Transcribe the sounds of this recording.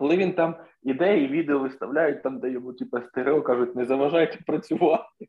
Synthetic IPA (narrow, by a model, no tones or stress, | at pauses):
kɔlˠɪʋʲint̪ɑm | id̪ɛjɐiʋʲid̪eɔʋɪst̪ɐʋlʲæjʊt̚ʲt̪ɑmd̪ɐjɔmutʲipɐst̪ɪɾɔkɑʐʊtʲnɛzɐʋɐʒɑjɛtʲpɾɐt͡sʲʊʋɑt̪ɪ